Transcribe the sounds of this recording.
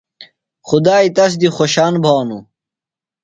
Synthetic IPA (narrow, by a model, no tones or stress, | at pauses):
xud̪aːit̪ɐs̬d̪ixoɕaːnbʱaːnu